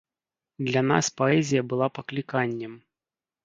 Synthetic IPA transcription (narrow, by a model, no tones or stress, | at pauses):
d̪lʲan̪a̰spɔɛzʲijɐbɨlˠapɐklʲikanʲːɛm